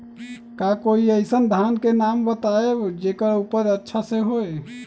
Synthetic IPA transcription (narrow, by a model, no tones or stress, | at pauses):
kakoiəɪsənd̪ʱankenambət̪aebd͡ʒekəɾupəɾətːʃʰasẽɦoe